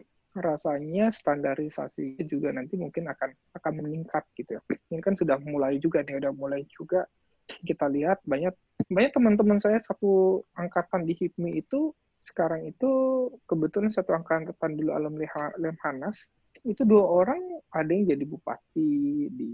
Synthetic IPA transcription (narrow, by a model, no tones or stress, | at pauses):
rasaɲast̪andaɾisa̰sid͡ʒuɡanant̪imuŋkɪnakan | akanməniŋkat̪̚ɡ̥it̪ujankansudahmulaid͡ʒuɡaniudahmulaid͡ʒuɡa | kit̪aliɦat̪̚baɲak̚ | baɲak̚t̪əmant̪əmansajasat̪uaŋkat̪andihit̪̚miːt̪u | sə̥kaɾaŋit̪ukəbət̪ulansat̪uaŋkant̪at̪andulua̰ləmlɛhalɛmhanas | it̪uduaoɾaŋadajaŋd͡ʒadibupa̰t̪̚idi